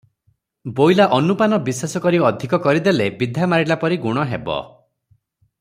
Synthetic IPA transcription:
bojlaʔɔnupanɔbisasɔkɔɾiɔd̪ʱikɔkɔɾid̪elebid̪ʱamaɾilapɔɾiɡuɽ̃ɔɦebɔ̰

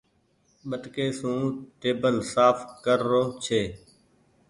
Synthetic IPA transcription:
ɓəʈkeːsũːʈeːbəlsaːfkəɾːoːt͡ʃʰeː

